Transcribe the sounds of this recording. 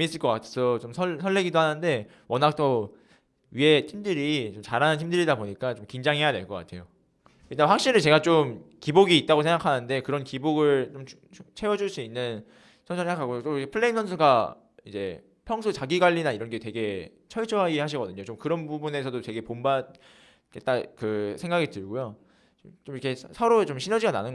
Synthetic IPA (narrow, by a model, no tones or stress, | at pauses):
mis͈ɯɭk͈ʌk͈atʰesʰʌt͡ɕomsʰʌsʰʌɭːeɡidohanɯnde̞ | wʌnak̚t͈ʌ | ɥiɦe̞tʰimdɯɾit͡ɕomt͡ɕaɾanɯnɦʰimdɯɾidaboɲik͈at͡ɕomkind͡ʑaŋɦe̞jadwe̞ɭk͈ʌk͈a̰tʰe̞jo | kɯdaɸwak̚ɕ͈iɾɯt͡ɕe̞ɡat͡ɕomkiboɡiːt̚t͈aɣosʰe̞ŋɡakʰanɯnde̞kɯɾʌnkiboɡɯɭt͡ɕomʰ | t͡ɕʰe̞wʌd͡ʑuɭs͈uinːɯn | sʰʌnsʰuseŋakʰaɡot͈oiepʰɯɭːe̞imsʰʌns̬ʰuɡa | id͡ʑe̞̰ | pʰjʌŋs̬ʰut͡ɕaɡiɡwaʎːinaiɾʌnɡe̞twe̞ɡe̞ | t͡ɕʰʌɭt͡ɕʰoɦaɡihaɕʰiɡʌdɯɲot͡ɕomkɯɾʌnbubune̞s̬ʰʌdotwe̞ɡe̞pomba | ket͈akɯsʰe̞ŋɡaɡitɯɭɡujo | t͡ɕomikʰe̞ssʰʌɾot͡ɕomɕʰinʌd͡ʑiɡana̰nɯnɡ